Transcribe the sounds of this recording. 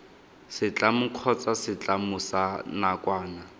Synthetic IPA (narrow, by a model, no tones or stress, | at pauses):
sɪt͡ɬʼamʊkʰɔt͡sʼasɪt͡ɬʼamʊsanakwaːna